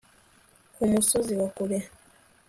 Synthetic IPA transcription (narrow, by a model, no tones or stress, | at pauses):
kumusoziwakuβe